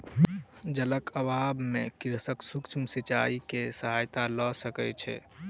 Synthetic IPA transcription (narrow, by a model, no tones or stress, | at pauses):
d͡ʒələkʰəbabmekiɾəsəksukt͡ʃʰmsit͡ʃaikesəɦajt̪alɔsəkɛt͡ʃʰɛ̰